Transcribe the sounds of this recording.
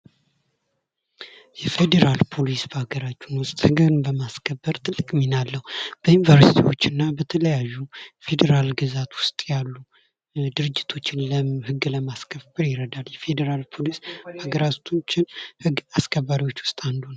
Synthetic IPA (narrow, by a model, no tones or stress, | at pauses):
jɛfed̪eɾalpʰo̞lisbəaɡəɾat͡ʃːunwʊst̪ʼhɨɡɨβɨnbəmaskʰəbːəɾt̪ʰɨlːɨkʼminalːəhub̥əjunvəɾsit̪ʰiwo̞t͡ʃːɪnːabət̪ʰələjajːufe̞d̪eɾalɡɨzat̪wʊst̪ʼjalːu | d̪ɨɾɨd͡ʒːɪt̪ʰo̞t͡ʃːɪnləhɨɡːləmaskʰəfbɨɾjɪɾəd̪aljɛfe̞d̪eɾalpʰo̞lisbaɡəɾat̪ʰut͡ʃːɪnhɨɡaskʰəβːaɾiwo̞t͡ʃːwʊst̪ʼand̪unəw